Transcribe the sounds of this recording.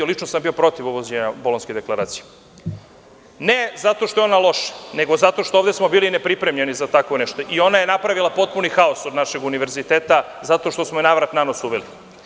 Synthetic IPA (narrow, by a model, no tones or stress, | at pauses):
olit͡ʃnosambio̞pɾo̞t̪iʋuʋozeɲabolˠonsked̪e̞klˠaɾaːt̪sije | nezat̪o̞ʃt̪oeo̞nalˠo̞ʃḁne̞ɡo̞zat̪o̞ʃt̪ooʋd̪esmo̞biːlinepɾipɾemʎe̞nizat̪akʋo̞neʃt̪o̞ʔio̞najenapɾaʋilˠapo̞t̪̚punixaosod̪naʃe̞ɡuniʋe̞ɾzit̪eːt̪a | zat̪o̞ʃt̪o̞smoenaʋɾat̪nanosuʋeli